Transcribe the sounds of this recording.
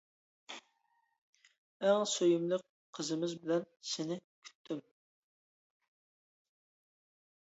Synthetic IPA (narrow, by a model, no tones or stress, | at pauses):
æŋsøjymlɨk̚ | qʰːəzɨmɪzbɪlɛnsɪnɪkʲʰy̥t̪ʰːym